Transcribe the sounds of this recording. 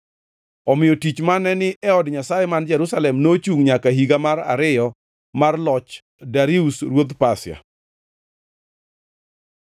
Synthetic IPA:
ɔmɪjɔtit͡ʃmanɛnɪʔɛɔdɲasajɛmand͡ʒɛɾusalɛmnot͡ʃuŋɲakaɦiɡamaɾa̰ɾɪjɔ | marlɔt͡ʃ | daɾiusɾwod̪pasɪa̰

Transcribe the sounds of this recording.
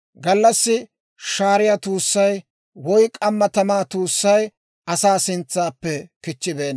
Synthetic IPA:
ɡɐlːɐsːɪ | ʃaːɾɪjat̪uːsːɐj | wɔjkʼɐmːɐt̪ɐmaːt̪uːsːɐj | ɐsaːsɪnt͡sːaːpːɛkɪt͡ʃːɪbe̞ːnː

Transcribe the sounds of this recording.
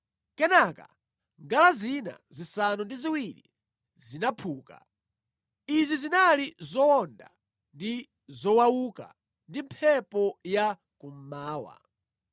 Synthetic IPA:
kɛnaka̰ | ŋɡalazina̰zisanundiziwilḭ | zinapʰuːka̰ | izizinalizɔɔnda | ndi | zɔwawuka̰ | ndim̩pʰɛpɔja | kum̩maːwa̰

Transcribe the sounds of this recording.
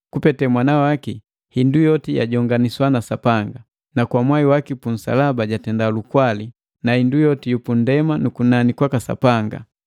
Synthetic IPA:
kupɛtɛmwanawaki | hindujɔtija̰ɟɔŋɡaniswanasapaŋɡa | nakwamwaiwakipun̩sa̰labaɟatɛndalukwali | nahindujɔtijupundɛmanukunanikwakasa̰paŋɡa̰

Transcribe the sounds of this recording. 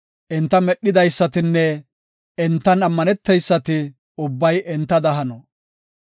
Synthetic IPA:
ʔɛnt̪ːɐmɛɗːɪd̪ɐjsːɐt̪ɪnːɛ | ɛnt̪ːɐnɐmːɐnɛt̪ːɛjsːɐt̪ɪ | ʊbːɐjʔɛnt̪ːɐd̪ɐɦɐnɔ

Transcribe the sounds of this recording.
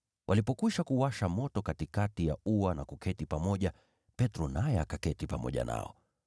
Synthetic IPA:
wʔalipɔkwiʃakuwaʃamɔtɔkatikatijauanakukʰɛtipamɔʄa | pɛtɾɔnajɛakakɛtipamɔ̰ʄa̰na̰ɔ̰

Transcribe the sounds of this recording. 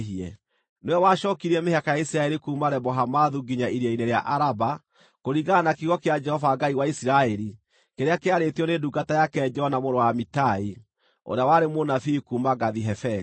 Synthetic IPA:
iɛ | neɛwaʃɔːkiɾiɛmehakajaisiɾaɛɾikuːmaɾɛbɔɦamaðuɡiɲaiɾiɛineɾeaʔaɾaba | koɾiɣanakiɣɔkead͡ʒɛhɔvaɡaiwaisiɾaɛɾi | keɾeakeaɾetiɔneduɡatajakɛɲd͡ʒɔnamoɾowamitai | o̰ɾeawaɾemonafikuːmaɡaðiɦɛfɛ

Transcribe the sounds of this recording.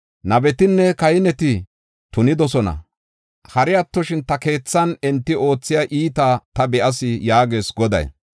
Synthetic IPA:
nɐbɛt̪ɪnːɛkɐjɪnɛt̪ɪ | t̪ʊnɪd̪ɔsɔnɐ̰ | hɐɾɪjɐt̪ːɔʃɪnt̪ɐke̞ːt͡sːɐnɛnt̪ːɪo̞ːt͡sːɪjaʔiːt̪at̪ɐbɛʔɐs̬ɪjaːɡe̞ːsɡɔd̪ɐ̰j

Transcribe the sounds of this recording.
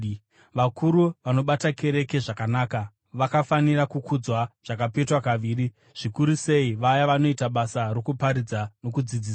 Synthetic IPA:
ʋakʰuɾuʋano̞ɓatakʰe̞ɾe̞ke̞ʐakanaːka | ʋakafanirakukʰud͡zwaʐ̥akape̞twakaʋiːri | ʐ̥ikuɾuse̞iʋajaʋano̞itaɓasaɾo̞kupaɾid͡zano̞kud͡zid͡ziːs

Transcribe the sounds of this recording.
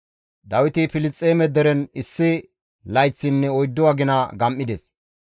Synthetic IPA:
d̪ɐwɪt̪ɪpɪlɪt͡sʼːeːmɛd̪ɛɾɛnɪsːɪ | lɐjt͡sːɪnːɛɔjd̪ːɔwaɡɪnaɡɐmʔːɪd̪ɛs

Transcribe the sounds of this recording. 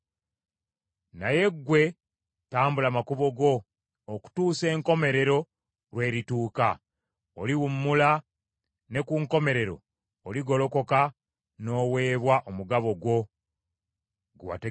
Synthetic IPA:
naje̞ɡwe̞ | taːmbulamakuβo̞ɡo̞ː | ku̥tuːse̞ːŋko̞me̞ɾe̞ɾo̞ | ɾwe̞ːɾituːka | oliwumːula | ne̞kuŋko̞me̞ɾe̞ɾo̞̰ː | liɡo̞lo̞ko̞ka | no̞ːwe̞ːβwaʔomuɡaβo̞ɡwo̞ | ɡuwa̰te

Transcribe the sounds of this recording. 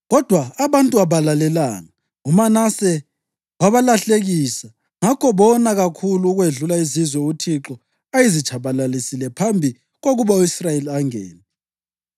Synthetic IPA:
ɣɔd̥ʱwaːβantʼuaβalalɛlaːŋa | umanasɛ | waβalaɬeɣiːsa | ŋakʰɔβɔnaɣakʰuluːɣweɮulaizizwɛutʰiǁɔ | ajizit͡ʃʰʼaβalalisilɛpʰambʱi | ɣoɣuβauisrajeliaŋɛ̰ːnɛ

